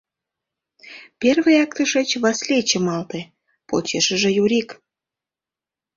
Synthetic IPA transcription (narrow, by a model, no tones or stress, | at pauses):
pʲerβəjɑkt̪əʃet͡ɕβɑslʲet͡ɕəmɑlt̪e | pot͡ɕeʃə̆ʒĕjuɾʲik